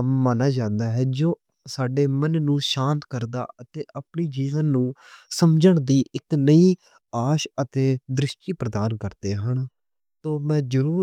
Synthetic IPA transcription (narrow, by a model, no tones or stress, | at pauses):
maːnaːd͡ʒãːnd̪aːɦɛːd͡ʒoː | saːɖeːmənːũːʃãːnt̪kəɾd̪a̰ːət̪eːʔəpɳiːd͡ʒiːʋənːũːsəmd͡ʒəɳd̪iːʔɪknəiː | aːʃət̪eːd̪ɾɪʃʈiːpɾəd̪aːnkəɾd̪eːɦəɳ | t̪oːmɛ̃ːd͡ʒəɾuː